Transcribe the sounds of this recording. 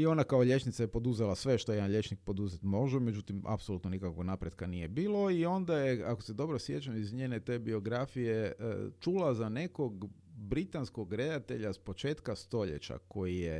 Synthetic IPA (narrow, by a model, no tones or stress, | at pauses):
io̞nakao̞ʎe̞t͡ʃnit̪sajepo̞d̪uzelasʋe̞ʃt̪o̞jed̪anʎe̞t͡ʃnik̚po̞d̪uzet̪mo̞ʒɛme̞d͡ʒut̪ima̰psolut̪nonikakʋoɡnapɾed̪kanije̞biːlˠo̞io̞nd̪ajeakose̞d̪o̞bɾosje̞t͡ʃamizɲeːne̞t̪e̞ːbio̞ɡɾafijḛt͡ʃulˠazane̞ko̞ɡ | bɾit̪ansko̞ɡɾe̞d̪at̪e̞̰ʎaspo̞t͡ʃe̞ːt̪kast̪o̞ʎḛt͡ʃa̰ko̞jije